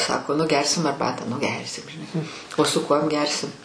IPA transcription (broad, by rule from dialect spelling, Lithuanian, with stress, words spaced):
ˈsɑːkoː nʊ ˈɡʲɛrʲsʲɪm ɐrˈbɑːtɑː nʊ ˈɡʲɛrʲsʲɪm ʒʲɪˈnɐɪ oː sʊ ˈkuɔm ˈɡʲɛrʲsʲɪm